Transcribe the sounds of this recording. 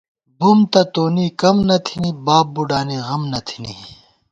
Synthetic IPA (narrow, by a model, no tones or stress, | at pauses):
bumt̪ɐt̪oːniːkɐmnɐt̪ʰiniːbaːp̚buɖaːniɣɐmnɐt̪ʰi̥nḭ